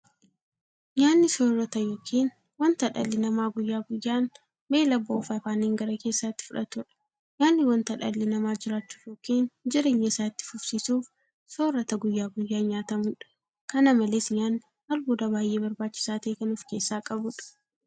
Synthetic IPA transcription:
ɲaːnːɪsoːrːɐt̪ɐjo̞ːkʰiːn | wɐnt̪ɐᶑɐ̰lːɪnɐmaːɡʊjːaːɡʊjːaːn | be̞ːlɐboːfɐfaːneːŋɡɐɾɐke̞ːsːaːt̪ːɪ̥fʊᶑɐt̪ʊᶑɐ̥ | ɲaːnːɪwɐnt̪ɐᶑɐ̰lːɪnɐmaːd͡ʒɪɾaːt͡ʃːu̥ːfjo̞ːkiːnd͡ʒɪɾe̞ːɲːɐɪsaːɪt̪ːɪ̥fʊfsiːsuːf | soːrːɐt̪ɐɡʊjːaːɡʊjːaːɲaːt̪ɐmʊᶑɐ̥ | kɐnɐmɐlesɲaːnːɪ | hɐlbuːd̪ɐbaːjʔe̞ːbɐɾbaːt͡ʃːɪ̥saːt̪eːkɐnʊfke̞ːsːaːkʼɐbʊᶑɐ̥

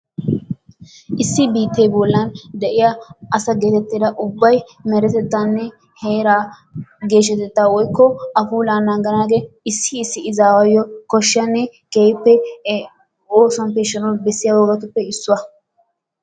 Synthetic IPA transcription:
ʔɪsːɪbiːt̪ːɛjbɔlːɐnd̪ɛʔɪjɐʔɐsɐɡeːt̪ɛt̪ːiːd̪ɐʔʊbːɐj | mɛɾɛt̪ɛt̪ːanːɛ | heːɾaː | ɡe̞ːʃ̬ɛt̪ɛt̪ːaːwɔjkːɔɐfuːlaːnːaːɡɐnaːɡeɪsːɪːsːɪɪzaːwɐjɔkɔʃːɪɐnːɛkeːjpːɛ | oːsɐnpɛʃːɐnɔbɛsːɪjɐwɔɡɐt̪ʊpːɛɪsːʊwɐ

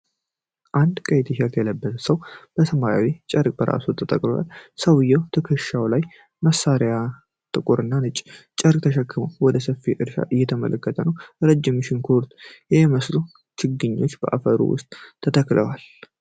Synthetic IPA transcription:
ʔand̪kʼəjt̪ʰiɦɛɾt̪jɛləbːət̪ʰsəwb̥əsəmaja̰wit͡ʃʼəɾkʼbəɾʔa̰sut̪ʰət̪ʼəkʼlowa̰lsəwɨjːɛwt̪ʰəkʰəʃawlaj | məsːaɾeja | t̪ʼɨkʼuɾɨnːanɨt͡ʃʼt͡ʃʼəɾkʼt̪ʰəʃəkʰːɨmowwɔd̪əsəfːiʔɨɾʃa̰ʔɨjːɛt̪ʰəmə̰lʔəkːət̪ʰənəwɾəd͡ʒːɪmɨʃɪnkʰoɾt̪jɛməslu | t͡ʃʰɪɡɨɲːo̞t͡ʃːbə̰ʔa̰fəɾṵwʊ̰st̪ʼt̪ʰːət̪ʰəkʼləwal

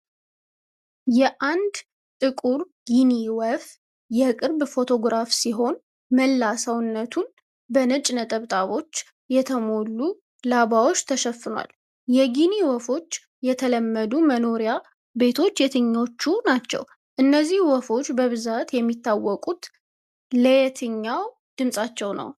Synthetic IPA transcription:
jɛʔand̪ | t̪ʼɨkʼuɾ | ɡiniwɔf | jɛkʼɨɾbfo̞t̪ʰo̞ɡɾafsiɦo̞n | məlːasəwnːət̪ʰun | bənət͡ʃʼnət̪ʼəβt̪ʼaβo̞t͡ʃː | jɛt̪ʰəmo̞lːu | laβawo̞t͡ʃːt̪ʰəʃəfːɨnwa̰l | jɛɡiniwɔfo̞t͡ʃː | jɛt̪ʰələmːəd̪uməno̞ɾija | be̞t̪ʰo̞t͡ʃːjɛt̪ʰɨɲːo̞t͡ʃːunat͡ʃːɛ̰w | ʔɨnːəzːihwɔfo̞t͡ʃːbəβɨzat̪jɛmːit̪ːawːɔkʼut̪ | ləjɛt̪ʰɨɲːaw | d̪̥ɨmsʼat͡ʃːɛwnə̰w

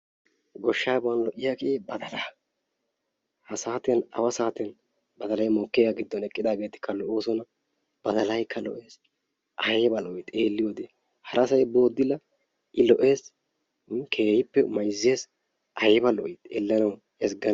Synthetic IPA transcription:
ɡɔʃːaːbɐnlɔʔɪjakeːbɐd̪ɐlaː | hɐsaːt̪ɪjɐnɐ̰wɐsaːt̪ɪɐn | bɐd̪ɐlɐjmɔːkːeːɡaɡɪd̪ːɔnɛkʼːɪd̪aːɡe̞ːt̪ɪ̥kʰːɐlɔʔoːsɔnɐ | b̥ɐd̪ɐlɐjkːɐlɔ̰ʔe̞ːs | ʔɐjbɐlɔʔɪt̪eːlːɪjɔd̪eː | hɐɾɐsɐjbo̞ːd̪ːɪlɐ | ʔɪlɔʔe̞ːs | kʰe̞ːhɪpːɛmɐjzːe̞ːs | ʔɐjbɐlɔʔɪt̪ɛlːɐnɐw | ɛsɡɐ

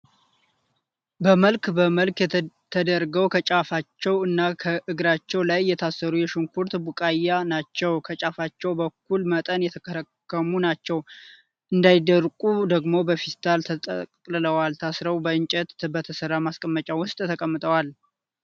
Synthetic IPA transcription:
bəməlkbəməlkt̪ʰəd̪əɾɡəwkʰət͡ʃʼafat͡ʃːɛwɨnːakʰəʔɨɡɾat͡ʃːɛwlajːɛt̪ʰasːəɾujɛʃuŋkʰuɾt̪bukʼajanat͡ʃːɛwkʰət͡ʃʼafat͡ʃːɛwbəkːulmət̪ʼənjɛt̪ʰəkʰəɾəkːəmunat͡ʃːɛw | ʔɨnd̪ajd̪əɾkʼud̪əɡmo̞bəfist̪ʰʼalt̪ʰət̪ʼə̰kʼkʼlɨləwalt̪ʰasɾəwbəɨɲt͡ʃʼɛt̪bət̪ʰəsərːamaskʼəmːət͡ʃʼawʊst̪ʼt̪ʰəkʼəmːɨt̪ʼəwal

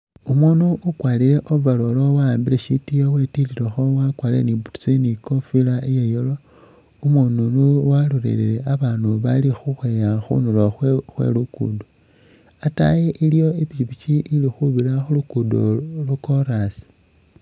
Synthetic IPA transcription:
umonuːkwaːliɾe̞ʔovalolowaːmbileʃitijowe̞tililexowakwalḛnibutsinikofilaijejolo | umonunuwaluɾḛleleaβanuβalixuxwejaxṵnuloxwxwe̞̰lukṵdo | ata̰jeʔilijo̞ipiβit͡ʃiʔilixuβilaxulukudo̰lukoɾasi̥

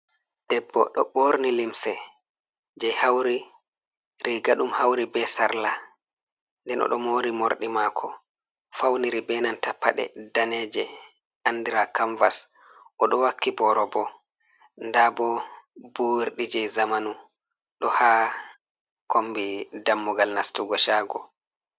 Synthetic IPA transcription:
d̥ɛbːɔ̰ɗɔɓoɾnilimsɛ | d͡ʒɛjhawɾi | ɾiɡaɗumhawɾibɛsaɾla | ndɛnʔɔ̰ɗɔ̰moːɾimoɾɗimakʰɔ | fawniɾibɛnantapːaɗɛ̰danɛːd͡ʒɛ | anːdiɾakaɱvas | ʔɔɗɔwakːibɔɾɔbɔ | ndabɔbuɾɗid͡ʒɛzamanu | ɗɔhaː | kombidamːuɡalnastuɡɔʃaːɡɔ

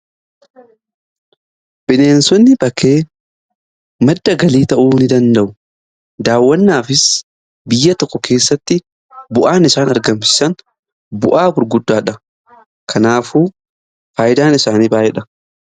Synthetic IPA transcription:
b̥ɪne̞ːnsɔnːɪbɐkːe̞ː | mɐd̪ːɐɡɐliːt̪ɐʔuːnɪd̪ɐnd̪ɐʔʊ | d̪aːwːɐnːaːfɪs | bɪjːɐt̪ɔkːɔkʰe̞ːsːɐt̪ːɪ | bʊʔaːnɪsaːnɐɾɡɐmsɪ̥sɐn | bʊʔaːbʊɾɡʊd̪ːaːᶑɐ | kʰɐnaːfuː | faːjɪd̪aːnɪsaːniːbaːʔɪᶑɐ

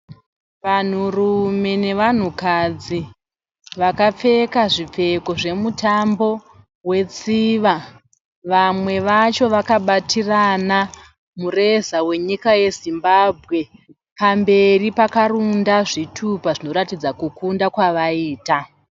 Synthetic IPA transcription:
ʋan̤urume̞ne̞ʋan̤ukad͡zi | ʋakap͡fe̞kaʐip͡fe̞ko̞ʐe̞mutambo̞ | we̞t͡siʋa | ʋamwe̞ʋat͡ʃo̞ʋakaɓatirana | mure̞zawe̞ɲikaje̞zimbabʱɣe̞ | pambe̞ripakarundaʐitʰupaʐino̞ɾatid͡zakukʰundakwaʋaiːta

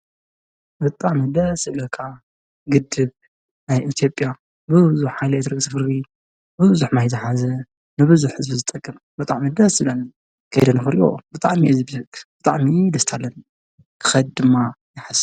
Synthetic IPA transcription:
bɨt̪ʼaʕmid̪ɐsɨβlɐkʰa | ɡɨd̪ɨb | najʔit̪ʰjo̞pʼja | bɨzuħhajlet̪ɾɨɡsʰɨfɨɾdi | bɨzuħmajt̪ɨħazɐ | nɨbɨzuħɨzbɨzɨt̪ʼɐkʼːɨm | bɨt̪ʼaʕmid̪ɐsɨlɐnɨ | kʰɐ̰jd̪ɐnɨfɨɾo̰bɨt̪ʼaʕmiʔɛzbhɨkb̥ɨt̪ʼaʕmid̪ɐst̪ʰalːɐn | kʰɨ̥xɐd̪̚d̪ɨmːajɪħas

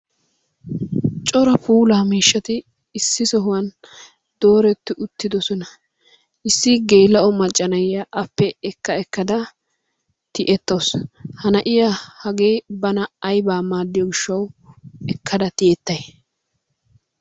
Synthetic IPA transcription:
t͡ʃʼɔɾɐpuːlaːmiːʃːɐt̪ɪː | sːɪsɔɦʊwɐn | d̪̥o̞ːɾɛt̪ːɪʔʊt̪ːɪd̪ɔsɔnɐ | ʔɪsːɪɡeːlːɐʔɔmɐt͡ʃʼːɐnɐjɐʔɐpːɛɛkːɐɛkːɐd̪ɐ | t̪ɪʔɛt̪ːɐwshɐnɐʔɪjɐhɐɡeːjbɐnɐɐjbaːmaːd̪ːɪjɔɡɪʃːɐwɛkʰːɐd̪ɐt̪ɪʔɛt̪ːɐj

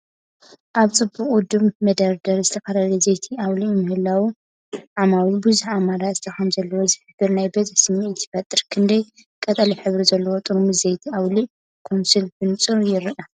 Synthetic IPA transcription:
ʔaβt͡sʼɨbuχʼud̪uβmɐd̪ɐɾd̪ɐɾzɨt̪ʰɐkɐɾalɐzejt̪ʰiawlimɨhɨlːawi | ʕamawibuzuħamaɾazɨ̥t̪ʰɐxɐmzɐlːɐwozɨħɨbɨɾnajbɐzsɨmit̪ʰɪ̥fɐt̪ʼːɨɾkʰɨnd̪ɐj | kʼɐt̪ʼɐliħɨβɾizɐlːɐwot̪ʼɨɾmɨzejt̪ʰiawliʔ | kʰonsɨlfɨnt͡sʼɨɾjɪɾʔɐ

